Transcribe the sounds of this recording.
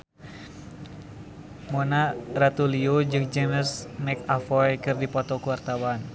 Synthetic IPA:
monarat̪uliod͡ʒɨŋd͡ʒeməsmɛkafɔjkɨrdipɔt̪ɔkuwart̪awan

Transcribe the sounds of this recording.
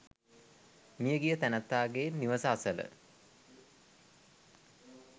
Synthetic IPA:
mijəɡijət̪ænət̪ːaːɡeːnːiʋəsəasələ̰

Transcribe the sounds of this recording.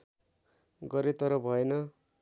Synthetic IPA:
ɡʌɾet̪ʌɾʌbʱʌenʌ

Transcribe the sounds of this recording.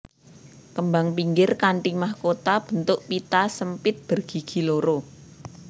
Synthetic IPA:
kəmbaŋpiŋɡɪrkaɳʈɪŋmahkot̪ab̥ə̤nt̪ʊʔpit̪asəmpɪt̪̚b̥ə̤rɡ̥i̤ɡ̥i̤loɾo

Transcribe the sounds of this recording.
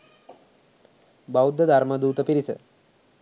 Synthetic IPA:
bawd̪ːəd̪ʱaɾməd̪uːt̪əpiɾisə̰

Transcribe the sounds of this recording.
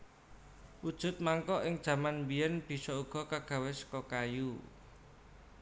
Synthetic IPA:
ʔud̥ʒ̥ʊ̤t̪̚maŋkɔʔɪŋd̥ʒ̥ä̤manmbiɛnb̥i̤sɔuɡ̥ɔ̤kaɡ̥a̤wɪskɔkaju

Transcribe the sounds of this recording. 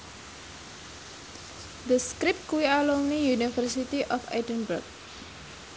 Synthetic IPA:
d̪əskɾɪp̚t̪̚kuwialoŋnijunifərsit̪iʔɔfa̰jdənbərk̚

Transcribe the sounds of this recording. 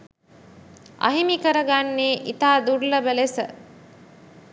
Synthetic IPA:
ʔɐ̰ɦimikəɾəɡanːeːʔit̪aːd̪urlɐbəlesə̰

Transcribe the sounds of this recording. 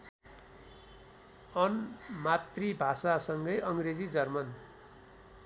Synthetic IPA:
ʌnmat̪ribʱasasʌŋɡʌjʌŋɡred͡zid͡zʌrmʌn

